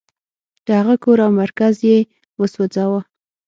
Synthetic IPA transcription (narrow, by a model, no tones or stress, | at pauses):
d̪̥əhaɣəkoɾawmaɾkazje | wəswəd͡zɑwa